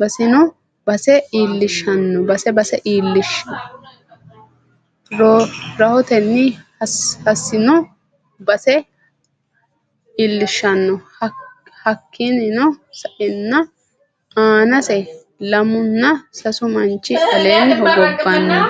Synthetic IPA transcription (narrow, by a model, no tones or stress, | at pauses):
bɐsɪnɔ | bɐsɛiːlːɪʃːɐnːɔbɐsɛbɐsɛʔiːlːɪʃːɪnɔ | ɾɔɾɐhɔt̪ɛnːɪ | hɐsːɪnɔ | bɐsɛ | ilːɪʃːɐnːɔ | hɐkʰːɪnɪnɔsɐʔɪnːɐ | ʔaːnɐsɛ | lɐmʊnːɐsɐsʊmɐnt͡ʃːɪʔɐleːnɦɔɡɔbːɐnːɐ